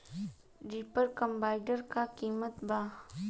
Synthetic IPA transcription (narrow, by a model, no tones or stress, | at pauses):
ɖipəɾkəmbaːɪɖəɾkakiːmət̪baː